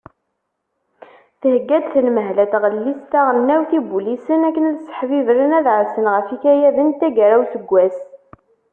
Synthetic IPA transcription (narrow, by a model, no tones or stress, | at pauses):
θəhəɡːæd̪θəlməɦlæt̪ʁəlːist̪aʁənːæwθibulisənækːənlsə̥ħvivɾənæðʕəɾsənʁəfikæjæðənt̪æɡɾæwθəɡʷːæs